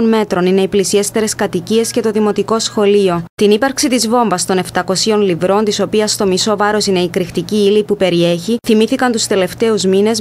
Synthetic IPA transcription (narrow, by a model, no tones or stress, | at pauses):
onme̞t̪ɾo̞nine̞iplisie̞st̪e̞ɾe̞skɐt̪icie̞sce̞t̪o̞ðimo̞t̪iko̞sxo̞lio̞t̪inipɐɾksit̪izvo̞ɱvɐst̪o̞ne̞ft̪ɐko̞sio̞nlivɾo̞nt̪iso̞piɐst̪o̞miso̞vɐɾo̞sine̞ikɾixt̪iciilipupe̞ɾie̞çiθimiθikɐnt̪ust̪e̞le̞ft̪e̞uzmine̞z